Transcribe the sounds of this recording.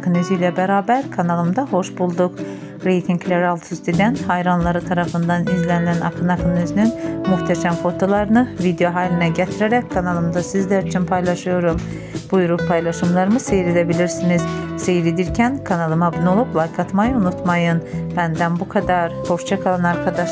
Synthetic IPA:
kʰɯnyzyjlæbæɾaːbæɾkʰanɑlˠɯmd̪ɑho̞ʃbulˠd̪uk | ɾejt̪ʰiŋɡlæɾalˠt̪ʰust̪id̪ænhɑjɾanlˠɑɾɯt̪ʰɑɾɑfɯnd̪ɑnizlænilænɑ̰kʰɯnɑkʰɯnnyzynynmuht̪ʰæʃæmfo̞t̪ʰo̞lˠɑɾɯnɯvid̪ejo̞ɦaːlʲinæɟæt̪ʰiɾæɾɛckʰanɑlˠɯmd̪asizlæɾit͡ʃʰynpʰɑjlˠɑʃɯjo̞ɾum | b̥ujuɾupʰɑjlˠɑʃɯmlˠɑɾɯmɯsejɾid̪æbiliɾsiniz̥sejɾid̪iɾcʰænkʰanɑlˠɯmabunuolˠuplˠajkʰat̪majɯunut̪mɑjɯnb̥ænd̪ænbukʰad̪ɑɾho̞ʃt͡ʃʰakʰalˠɑnɑɾkʰad̪ɑʃ

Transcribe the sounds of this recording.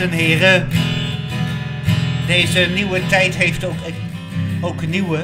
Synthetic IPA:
ənɦɪːrə | dejzəniwətɛjtɦejftok | owkniwə

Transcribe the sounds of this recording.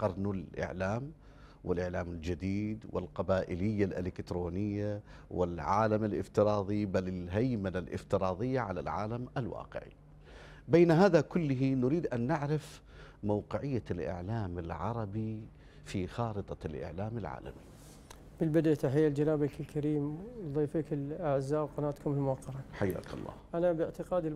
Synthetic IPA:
qɑɾˤnalʔɪ̰ʕlaːm | wɪlʔɪʕlaːmɪld͡ʒad̪iːd̪wɪ̰lqɑbaːʔɪlɪjːalʔɪlɪkt̪ɾoːnɪjːawɪlʕaːlamalʔɪ̰ft̪ɪɾɑːðˤibalɪlɦajmalalʔɪ̰ft̪ɪɾˤɑːd̪ˤɪjːaʕala̰lʕa̰ːlamalwɑ̰ːqɪ̰ʕḭ | beːnaɦaːðakʊlːɪɦinʊɾiːd̪ʔanːɪʕɾɪf | mowqɪʕɪjːalʔɪ̰ʕlaːmɪlʕɑ̰ɾˤɑbi | fixɑːɾɨt̪ˤɑlʔɪ̰ʕlaːmɪlʕa̰ːla̰mi | b̥ɪlbɪd̪ʔat̪aħɪjːald͡ʒanaːbakɪlkʰaɾiːmðˤiːfikɪlʔaʕzːaːbqɑnaːt̪kʊmɪlmʊwɑqːɑɾˤɑħajːa̰ːkɑ̰lˤːɑ̰ːhʔanabɪʕt̪ɪqɑːd̪ɪ

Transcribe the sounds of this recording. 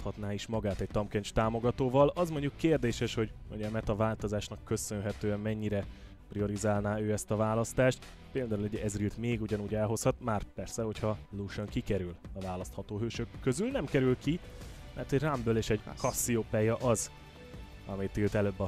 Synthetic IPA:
t̪hɒt̪naːiʃmɒɡaːt̪ɛɟ̚t̪ɒmkɛnt͡ʃt̪aːmo̞ɡɒt̪oːvɒlɒzmo̞ɲɟukːeːrd̪eːʃɛʃho̞ɟoɲɛmɛt̪ɒvaːlt̪o̞zaːʃnɒkːø̞sønɦɛt̪øːɛmmɛɲːiɾɛ | prio̞ɾizaːlnaːøːɛst̪ɒvaːlɒst̪aːʃt̪ | peːld̪aːuluɟɛzrilt̪meːɡuɟɒnuːɟɛlɦo̞shɒt̪maːrpɛrsɛho̞chɒluːʃøŋkikɛɾylɒvaːlɒst̪hɒt̪oːɦøːʃøkːøzylnɛmkɛɾylkimɛrt̪ɛɟrambøːleːʃɛɟkɒsːioːpɛjɒʔɒz | ɒmijt̪ilt̪ɛløːbːɒ

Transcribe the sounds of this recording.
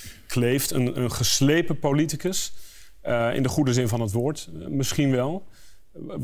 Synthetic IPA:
kʰlejftə̰nənχəslejpəpolitikəs | ɪ̰ndəχudəzɪnvɑnɦətʋoːɹtmɪsχinʋɛlˠ

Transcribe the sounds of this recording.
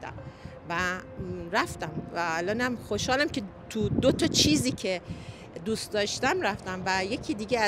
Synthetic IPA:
d̪æ̰m | væɾæft̪æmvæːlɒːnæmxoʃhɒːlæmce̞t̪ʰud̪ot̪ʰɒt͡ʃʰiːziːcʰe̞ | d̪ust̪d̪ɒːʃt̪æmɾæft̪æmvæje̞cʰiːd̪iːɟeæ

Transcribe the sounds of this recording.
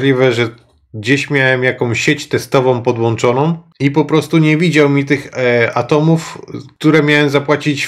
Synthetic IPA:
lʲivɛʐɛ | ɡd͡ʑeɕmʲjawɛmjakɔ̃w̃ɕet͡ɕt̪ɛst̪ɔvɔ̃w̃pɔd̪wɔnt͡ʂɔnɔ̃w̃ | ipɔpɾɔst̪uɲɛvʲid͡ʑawmʲit̪ɘxat̪ɔmufk̚t̪uɾɛmʲjawɛmzapwat͡ɕit͡ɕ

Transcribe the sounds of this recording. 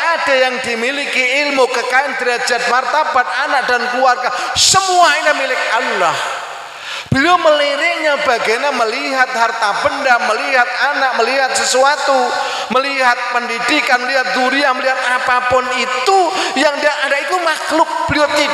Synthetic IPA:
ʔad̥ajaŋdimilikiɪlmukəkaɪndəɾad͡ʒat̪̚mart̪ab̥at̪̚anaʔ̚dankluarkasəmuainamilɪk̚allːɔh | b̥əliaməliɾɪʔɲabaɡaɲaməliɦat̪̚hart̪ab̥əndaməliɦat̪̚anak̚məliɦat̪̚səsuat̪u | məliɦat̪̚pəndidikanməliɦat̪̚duɾiahməliɦat̪̚apapʊnit̪ujaŋdaadaʔit̪umaklʊk̚b̥əliʊt̪ːi

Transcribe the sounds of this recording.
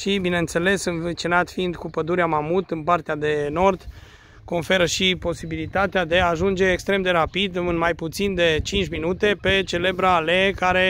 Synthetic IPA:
ʃibineɨnt̪se̞le̞sɨnvit͡ʃinat̪fiːnd̪kupəd̪uɾeamamut̪ɨnpart̪ead̪e̞no̞rd̪ | ko̞nfe̞ɾəʃipo̞sibilit̪at̪ead̪e̞aːʒund͡ʒe̞ːkst̪ɾe̞md̪e̞ɾapid̪ɨnmajput̪sind̪e̞t͡ʃint͡ʃʲminut̪e̞pe̞t͡ʃe̞le̞bɾalekaɾe̞

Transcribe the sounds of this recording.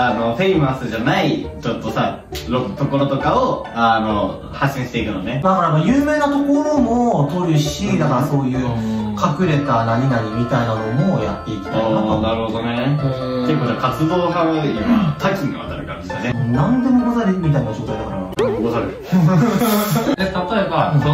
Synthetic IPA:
ano̞ɸe̞imasɨʑanait͡ɕo̞t̪ːosa | ɾot̪o̞ko̞ɾo̞t̪o̞kaoano | haɕːĩɕi̥t̪e̞ikɯ̟nonemad̪akaɾamajɯːme̞ːnat̪o̞ko̞ɾo̞mo̞t̪o̞ɾɯ̟ɕid̪akaɾaso̞ːjɯ̟ːkʰakɯ̟ɾe̞t̪anaɲ̟inaɲʲimʲit̪ainano̞mo̞ja̰t̪ːe̞it̪k̪ʲi̥t̪ːanaɾɯ̟hod̪o̞neeiɯkot̪ːakat͡sɨd̪oːɦaoimat̪ʰakʲĩɲɡ̪iβa̰t̪aɾɯ̟kã̰nd̪esijonẽnãnd̪e̞mo̞bazaɾʲimʲit̪ainɡɕoːt̪aid̪akaɾa̰abasaɾɯ | d̪et̪at̪o̞e̞baso

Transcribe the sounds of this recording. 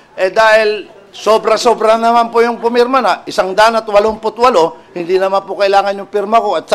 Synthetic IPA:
ʔɛd̪aːhɪl | sobɾɐso̞bɾɐnɐmanpojʊŋpʊmiɾmɐnɐʔɪsaŋd̪aːnɐt̪wɐloŋpʊt̪wɐlo̞hɪnd̪inɐmanpʊkɐʔɪlaːŋɐnjʊŋpiɾmɐkoɐt̪̚s

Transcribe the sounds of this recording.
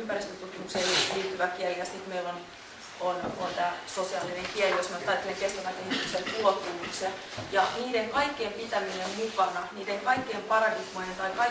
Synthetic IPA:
ympærist̪øt̪ut̪̚kimukselliːt̪ːyʋækieliæsit̪meilon | ont̪uot̪ɑsosiɑlineŋkieliosmot̪t̪ɑit̪ːeeŋkest̪æmæk̪ehit̪y̥kselkuot̪ːuuksɑ | jɑniːdeŋkɑikːeːmpit̪æminemmukɑnɑniːdeŋkɑikːeːmpɑrɑdiɡmojent̪ɑikɑ

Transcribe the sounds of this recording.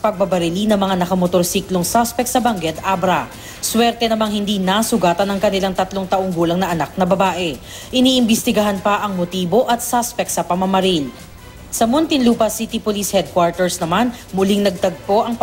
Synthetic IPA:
pɐɡ̚bɐbɐɾɪlinɐŋmɐŋanɐkɐmot̪o̞ɾsiːkloŋsaspɛk̚t̪sɐbɐŋɡɛd̪abɾɐ | swɛɾt̪ɛnɐmaŋhɪnd̪inɐsʊɡaːt̪ɐnɐŋkɐnɪlaŋt̪ɐt̪loŋt̪ɐʔoŋɡuːlɐŋnɐʔɐnak̚nɐbɐbaːʔɛ | ʔɪniːʔɪmbɪst̪ɪɡɐɦanpɐʔɐŋmot̪iːbo̞ʔɐt̪̚saspɛk̚t̪sɐpɐmɐmɐɾil | sɐmont̪ɪnluːpɐsit̪ipolishɛd̪̚kwaɹt̪ɛɹsnɐmanmʊliŋnɐɡ̚t̪ɐɡ̚p̪o̞ʔɐŋp

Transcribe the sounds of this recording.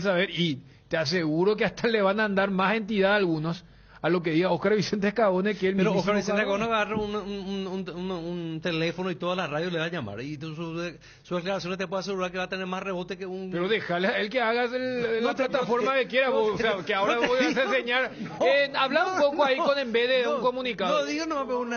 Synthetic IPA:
s̬aβe̞ɾi | t̪eas̬eɣuɾo̞k̬eaht̪aleβanaːnd̪aɾmase̞nt̪iðaðalɣunos | alo̞k̬eðiɣaoskaɾβise̞nt̪̬ehkaβo̞nekeelmeiɾooskaɾβiset̪ekaβoneβaaraunuununununt̪e̞lefonoit̪oðalaraðjoleβaɲama̰ɾit̪usue | suzðeklaɾasjo̞nest̪epweðas̬eɣuɾaɾkeβat̪eneɾmasre̞βo̞t̪ekeunpeɾoðe̞xalesae̞lkeaɣasellːaplat̪afo̞ɾmakekje̞ɾaβooseakeaoɾaojasenseɲaɾenaβlaɾumpo̞koaikonembezðeuŋko̞mũnikaoðiɣonomapeun

